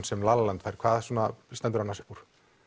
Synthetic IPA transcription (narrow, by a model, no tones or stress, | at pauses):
nsɛmlaːlalant̪fajɾ̥kʰvaːðsuɔnast̪ɛnt̪ʏɾanːaɾsɛpuɾ̥